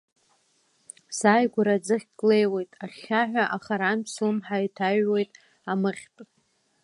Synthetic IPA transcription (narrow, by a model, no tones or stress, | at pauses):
saːjɡʷʊɾad͡zɨχʲkʼle̞jwe̞jtʼaχʲaħᶣʷaʔaχaɾansumħajtʰaɥwe̞jtʼ | amɨχʲtʼ